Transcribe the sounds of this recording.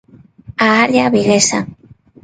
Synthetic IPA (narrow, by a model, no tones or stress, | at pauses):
aːɾjaβiɣesa̰